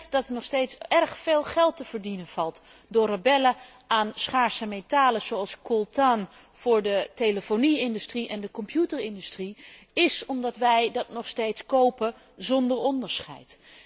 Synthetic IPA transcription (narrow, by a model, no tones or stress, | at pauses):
tdɑtənɔχstejtsɛrχfeːlˠχɛlˠtəv̥əɹdinənv̥ɑlˠt | dʊːrəbɛlə | aːnsχaːɹsəmetaːləz̥oɑlˠskɔlˠtan | v̥ʊːɹdəteləfoniɪndystriʔɛndəkɔmpjutəɹɪndystri | ɪsɔmdɑtʋɛjdɑtnɔχstejtskowpə | zɔndəɹɔndəɹsχɛ̰jt